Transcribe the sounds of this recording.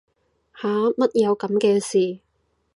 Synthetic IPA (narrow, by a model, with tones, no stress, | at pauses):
haː˨˥mɐ˥t̚jɐ˨˧wkɐ˨˧˥mkɛː˧siː˨˩